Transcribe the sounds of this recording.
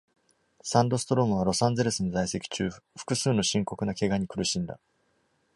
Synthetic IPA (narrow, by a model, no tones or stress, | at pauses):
sãnd̪o̞sɨ̥t̪o̞ɾo̞mɯ̟β̞aɾo̞sãnd͡ze̞ɾesɨnozaise̞kʲi̥t͡ɕɨːɸɯ̟̥kɯ̟sɨːno̞ɕĩŋko̞kɯ̟nake̞ɡaɲ̟ikɯ̟ɾɯ̟ɕĩnd̪a̰